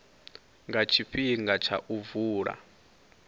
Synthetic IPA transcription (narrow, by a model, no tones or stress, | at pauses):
ŋɡat͡ʃʰiɸʰiŋɡat͡ʃʰa̰ʔuvuːɺa̰